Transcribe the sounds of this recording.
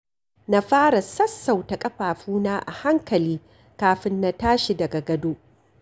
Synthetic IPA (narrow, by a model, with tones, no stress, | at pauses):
na˦ɸaː˦ɽa˨sɐ˦sːa˨wtɐ˨kʼɐ˦ɸaː˨ɸuː˦naː˦ʔa̰˨ha˦ŋkɐ˨liː˦ | kaː˨ɸɪ˦nːa˦taː˦ʃi˨dɐ˨ɡa˨ɡɐ˨doː˦ʔ